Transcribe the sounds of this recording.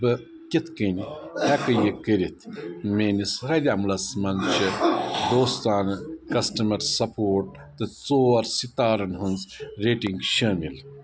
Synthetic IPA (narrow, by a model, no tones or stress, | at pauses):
bɨ | kʲet̪ʰkɐnihɐkɐjekɐɾit̪ʰmeːnisɾɐd̪ʲiɐmlɐsmɐnt͡ʃʰɐd̪oːst̪aːnɨkɐsʈɐmɐɾsɐpʰoːʈ̚ | t̪ɨt͡soːɐɾsit̪aːɾɐnɦunzɾeːʈiŋɡʃɐːmil